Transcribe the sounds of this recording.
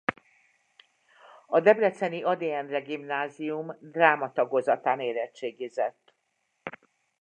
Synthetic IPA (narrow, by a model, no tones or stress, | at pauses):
ɒd̪ɛblɛt̪sɛniɒd̪eɛnrɛɡimnaːzijumd̪raːmɒt̪ɒɡo̞zɒt̪aːneːɾɛt͡ʃːeːɡizɛt̪ː